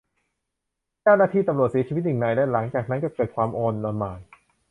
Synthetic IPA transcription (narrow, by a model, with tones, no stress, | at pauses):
t͡ɕa˥˩wnaː˥t̪ʰiː˥˩t̪mɾu˨˩ət̪̚si˨˩˦iː˧˦˥t̪̚haː˨˩ŋna˧˩jlɛː˦˥la˩˦ŋt͡ɕaː˨˩k̚na˦˥nkɔ˧˥˩kɤː˨˩t̪̚kʰwaː˧mʔoː˧nːɔː˧nmaː˨˩j